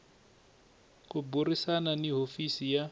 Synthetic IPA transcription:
kuburisananiɦofisija

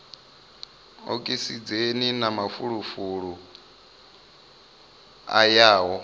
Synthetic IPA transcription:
o̰kʼisid͡zeninamafuɺufuɺu | a̰jaːɦɔ

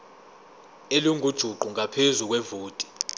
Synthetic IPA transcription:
eluŋʱud̥ʒ̥ʱuǃuŋʱapʰezuk̬wɛvuːtʼi̥

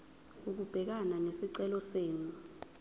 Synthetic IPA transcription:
uk̬ub̥ʱɛk̬ananesiǀɛlɔseːnu

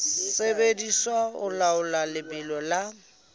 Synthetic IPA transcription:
sebediswaʊ̰laʊlalɪmɪlɔla

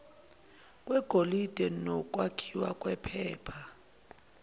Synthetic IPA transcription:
kʼwɛɡ̥ʱolid̥ʱɛnɔk̬ʼwakʰiwa̰kʼwɛpʰɛːpʰa

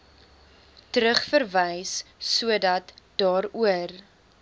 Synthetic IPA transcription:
təɾəχfərvəjsːuədɐtd̥ɑːɾuər

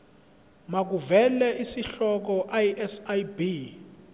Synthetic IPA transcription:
mak̬uvɛlɛʔisiɬɔk̬ɔʔajiʔɛsajbi

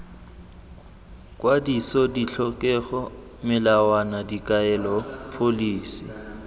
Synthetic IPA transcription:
kʼwadisɔdiɬʰɔkʼɛɣɔ | mɪlawanadikʼaɛlɔpʰoliːsi

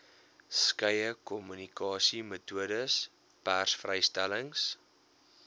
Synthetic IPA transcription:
skəjəkɔmynikɑːsimətuədəs | pærsfrəjstæləŋs

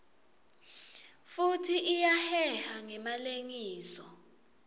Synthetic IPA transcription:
futʰiijahɛhaŋɛmaleŋiːsɔ

